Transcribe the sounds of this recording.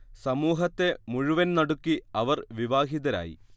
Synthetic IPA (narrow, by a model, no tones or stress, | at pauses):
sɐmuːɦɐt̪ːe̞muɻuʋɐnnɐɽukːiɐʋɐrʋiʋaːɦiðɐɾa̰ːjḭ